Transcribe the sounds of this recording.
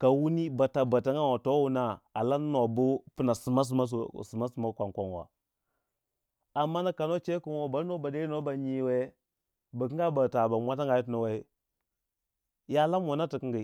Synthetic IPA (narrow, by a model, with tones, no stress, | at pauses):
ka˨wu˦ni˦ba˨ta˨ba˨ta˦ŋɡa˦wo˨to˦wu˦na˦a˨la˦n˦no˨bu˦pu˦na˨su˨ma˦s̬u˨ma˦s̬su˨ma˦su˨ma˦kʷa˨ŋkʷa˨n˨wa̰˨ | a˨mːa˦na˦ka˨no˦t͡ʃe˦ku˦nwo˦ba˨˦o˦ba˨da˦i˦no˦ba˨ɲi˨we˦ | ba˨ki˦ŋɡa˦ba˨ta˨ba˨mʷa˦ta˦ŋɡa˨ji˦tno˨we˦ | ja˦la˦mwa˨na˦ti˨ki˦ŋɡi˨